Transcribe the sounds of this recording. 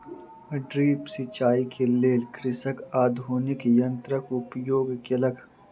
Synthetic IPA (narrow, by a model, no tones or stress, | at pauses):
ɖɾiːpsit͡ʃaːikʰeleːlkɾɪsɐkaːd̪ʱuːnikjɐnt̪ɾəkupjoːɡkelɐɡ